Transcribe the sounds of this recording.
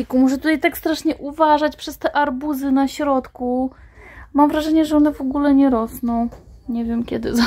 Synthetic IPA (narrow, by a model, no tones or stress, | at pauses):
ikumuʂɛt̪ut̪ajt̪akst̪ɾaʂɲɛʔuvaʐat͡ɕpʂɛst̪ɛʔaɾbuzɘnaɕɾɔt̪ku | mamvɾaʐɛɲɛʐɛɔnɛvɔɡulɛɲɛɾɔsnɔ̃w̃ɲɛvʲjɛmkʲɛd̪ɘ̰za